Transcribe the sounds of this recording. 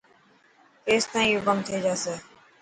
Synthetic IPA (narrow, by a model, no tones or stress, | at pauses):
keːst̪ãːĩːjoːkəmt̪ʰeːd͡ʒaːseː